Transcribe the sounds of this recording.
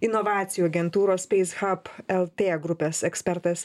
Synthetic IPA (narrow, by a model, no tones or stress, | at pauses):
ɪnɔʋɑːt̪sʲɪjuɐɡʲɛnt̪uːɾoːspʲɛɪsɣɐpɛlˠt̪ʲeːɡɾʊpʲeːsɛksʲpʲɛɾt̪ɐs